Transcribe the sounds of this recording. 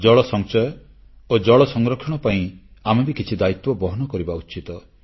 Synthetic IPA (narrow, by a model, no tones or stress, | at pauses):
d͡ʒɔɭɔsɔŋt͡ʃɔjɔ | od͡ʒɔɭɔsɔŋɾɔkʰɔɽ̃ɔpaĩamebikit͡ʃʰid̪ait̪wɔbɔɦɔnɔkɔɾibaut͡ʃit̪ɔ